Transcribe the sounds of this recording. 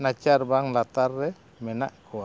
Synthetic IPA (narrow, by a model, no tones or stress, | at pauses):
nat͡ʃarbaŋlat̪arːɛ | mɛnaʔkʰɔa